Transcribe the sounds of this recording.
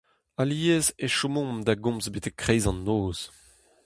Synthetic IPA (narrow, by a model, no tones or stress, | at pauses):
aliezeʃomɔ̃md̪aɡɔ̃mzbet̪ɛkːχejzɑ̃nːoːz̥